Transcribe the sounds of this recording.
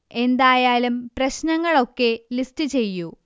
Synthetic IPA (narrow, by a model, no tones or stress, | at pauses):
e̞nd̪aːjaːlumprɐɕnɐŋːɐɭo̞kːe̞listɨt͡ɕe̞jːu